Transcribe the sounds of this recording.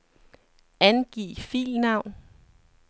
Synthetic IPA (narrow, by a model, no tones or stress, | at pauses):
ænɡ̥ḭːfḭːlnɑ̈ʊ̰n